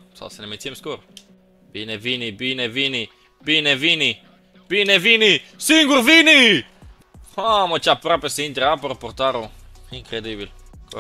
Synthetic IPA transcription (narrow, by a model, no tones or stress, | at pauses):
sa̰senemet͡sjɛmskuɾ | binevinibinevini | binevini | b̥inevinisiŋɡuɾvini | hamot͡ʃapɾapeseint̪ɾapoɾpoɾt̪aɾoiŋkɾed̪ibil | k